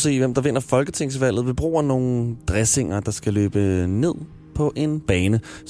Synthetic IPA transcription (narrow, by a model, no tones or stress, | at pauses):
se̝̰ːʋem̰d̥ɑ̈ʋe̝n̰ɐfɒ̽lɡ̥ət͡sʰeŋ̰sʋæl̰ð̞̩ˠʋib̥ʁṵːɐno̝ːn̩d̥ʁɛse̝ŋ̰ɐd̥ɑ̈sɡ̥ælø̰ːb̥əne̝ð̰ˠ | pʰɒ̽ʔe̝nb̥ɛːnə